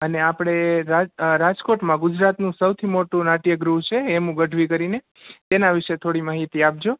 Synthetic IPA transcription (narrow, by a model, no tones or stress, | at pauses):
əneapɽ̃eɾaɾad͡ʒkoʈmãɡʊd͡ʒɾat̪nũsəwt̪ʰimoʈũnaʈijəɡɾuɦt͡ʃʰeːmũɡəɖʱʋikəɾine | t̪enaʋɪʃet̪ʰoɽimaɦit̪iap̚d͡ʒo